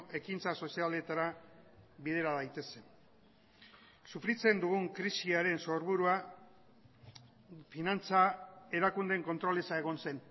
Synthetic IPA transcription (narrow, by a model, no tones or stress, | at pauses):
ʔe̞kint͡saso̞siald̪et̪aɾa | βið̞e̞ɾaðajt̪e̞se̞ | sufɾit͡se̞nd̪uɣ̞uŋkɾisiaɾe̞nso̞ɾβuɾua | finant͡sae̞ɾakund̪e̞ŋko̞nt̪ɾo̞le̞sae̞ɣ̞o̞nse̞n